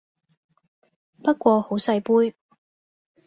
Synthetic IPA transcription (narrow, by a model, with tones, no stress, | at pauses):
pɐ˥t̚kʷɔː˧ho˨˥wsɐ˧jpuː˥j